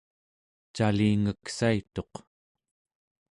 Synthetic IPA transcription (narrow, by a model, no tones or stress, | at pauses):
t͡ʃaliːŋəksait̪o̞q